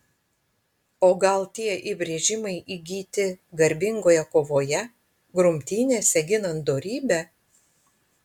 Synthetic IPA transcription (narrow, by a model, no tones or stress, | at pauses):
oːɡɐlˠt̪ʲiɛʔibʲɾʲeːʒʲɪmɐɪʔiɡʲiːt̪ʲɪɡɐɾʲbʲɪŋɡoːjɛkoːʋoːjɛ | ɡɾʊmʲt̪ʲiːnʲeːsʲɛɡʲɪnɐnt̪d̪oːɾʲiːbʲɛ